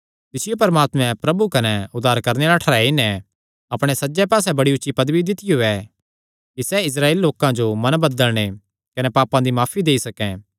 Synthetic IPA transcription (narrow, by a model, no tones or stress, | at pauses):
t̪ɪsɪjopɐɾəmaːt̪mɛ̃pɾɐbukɐnɛʊd̪ːaːɾkɐɾneɾaʈʰɐɾaːinɛ | ɐpɽ̃esɐːd͡ʒɛpaːsɛbɐɽiʊːʃipɐd̪bid̪ɪt̪ɪjoɛ | kisɛɪs̬ɾaːeːlːoːkãd͡ʒomɐ̃nbɐd̪əlɽ̃e | kɐnɛpaːpãd̪imaːfʰid̪eːisɐkɛ̃